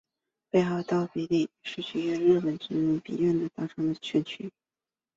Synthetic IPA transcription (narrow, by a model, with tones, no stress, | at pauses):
pe˥˧ɪxɑ˥˩ʊt̪ɑ˥˩ʊpi˧˥li˥˩ʂɻ̩˥˩˧t͡ɕʰy˥˧ɛ˥˧ɻɻ̩˥˩pə˨˩nʈ͡ʂɻ̩˧˥nu˧˥˩pḭ˧˥ɥɛ˥˩nd̪ə˩t̪ɑ˥˩ʈ͡ʂʰɤ˧˥ŋd̪ə˨t͡ɕʰɛ˥˩nt͡ɕʰy˧˥